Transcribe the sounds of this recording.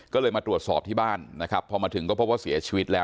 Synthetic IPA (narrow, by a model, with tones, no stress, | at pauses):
kɔː˥˩lɤː˧jmaː˧t̪ɾu˨˩ət̪sɔː˨˩p̚t̪ʰiː˥˩baː˥˩nːa˦˥kʰɾa˦˥pʰːɔ˧maː˧t̪ʰɯ˩˦ŋkɔː˥˩pʰo˦˥p̚waː˥˩si˩˦ɐt͡ɕʰiː˧wi˦˥t̪̚lɛː˦˥